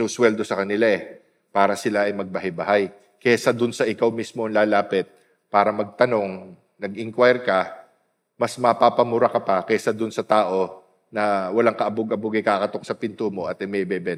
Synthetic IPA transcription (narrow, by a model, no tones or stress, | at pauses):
oswɛld̪o̞sɐkɐnɪlaʔɛ | paːɾɐsɪlaɐjmɐɡ̚bɐhajbɐɦaj | kɛsɐd̪ʊnsɐʔɪkawmismoɐŋlaːlaːpɪt̪̚ | paːɾɐmɐɡ̚t̪ɐno̞ŋ | nɐɡ̚ʔɪŋkwajɾkɐ | mɐsmɐpapɐmʊɾɐkɐpɐkɛsɐd̪ʊnsɐt̪aːʔo̞ | nɐwɐlaŋkɐʔɐbʊɡɐbʊɡɛkaːkɐt̪o̞k̚sɐpɪnt̪umo̞ʔɐt̪̚ɐmɛbɛbɛ